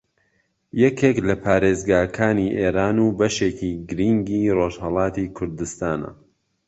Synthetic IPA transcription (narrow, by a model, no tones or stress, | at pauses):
jɛkʰeklɐpʰaːɾeːzɡaːkʰaːniʔeːɾaːnuːbɐʃeciɡɨɾiŋɡiːroʒhɑlˠɑːt̪iːkʰʊɾd̪ɨst̪aːnɐ̰